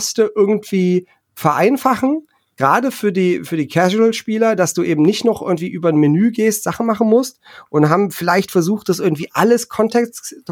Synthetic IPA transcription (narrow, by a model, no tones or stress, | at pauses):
stəʔɪɐɡŋ̩tv̥iː | fɛɐʔaɪnfaχn̩ | ɡ̥ʁaːdəfyːɐdiːfyːɐdiːkʰɛʒɪtl̩ʃpiːlɐdasd̥uːʔeːbm̩nɪçtnɔχʔɪ̰ɐɡŋ̩tv̥iːʔyːbɐnmɪnyːɡeːstz̥aχn̩maχn̩mʊstʔʊntɦaːbm̩fɪlaɪçtfɛɐzuːχt̚d̥asʔɪɐɡŋ̩tv̥iːʔaləskʰɔntʰɛk